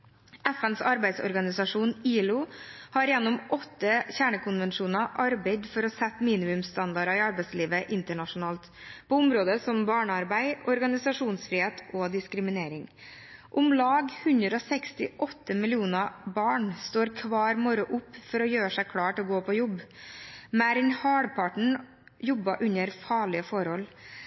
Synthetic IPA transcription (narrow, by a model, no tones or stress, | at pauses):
ɛfɛnsɑɾbæɪsɔ̰ɾɡɑnɪsɑʂuːniːlʊhɑɾjɛnːɔmʔɔt̪ːəçæːɳəkʊnʋɛnʂuːnɑʔɑɾbæɪd̪fɔɾɔsɛt̪ːmiːnɪmʉmst̪ɑnd̪ɑɾɑɪɑɾbæɪsliːʋəʔɪnt̪əɳɑʂʊnɑːlt̪pʰɔːʊmɾoːd̪əsɔmbɑːɳəɑɾbæɪɔɾɡɑnɪsɑʂuːnsfɾiːheːt̪ʰoːd̪ɪskɾɪmɪneːɾɪŋ | ʔʊmlɑːɡhʉnd̪ɾəɔsɛkst̪ɪʔɔt̪ːəmɪlɪuːnɑbɑːɳst̪oːɾkʰʋɑːɾmɔɾʊʔʊpːfɔɾɔjøːʂæɪkʰɽɑːʈɪɔɡoːpʰɔjɔbː | mæɾɪnhɑːɽpʰɑʈəɳ̩ | jɔbːɑʔʉɲəɾfɑːɭɪəfɔɾhɔl